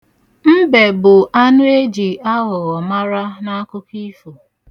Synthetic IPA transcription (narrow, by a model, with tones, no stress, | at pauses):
m̩˦be˨bʊ˨ʔa˦nʊ˦e˦d͡ʒi˨a˦ɣʊ˨ɣɔ˨ma˦ɾa˦na˦kʊ˦ki˦fo˨